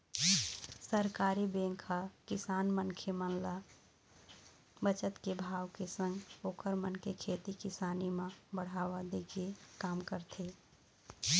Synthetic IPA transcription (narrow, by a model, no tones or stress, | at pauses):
səɾkaːɾibẽŋkʰakɪsaːnmənkʰemənla | bət͡ʃət̪kebʱaːwkesə̃ŋɡoːkʰəɾmənkʰekʰeːt̪ikɪsaːnimãbəɽ̤aːwad̪ekʰekaːmkəɾt̪ʰe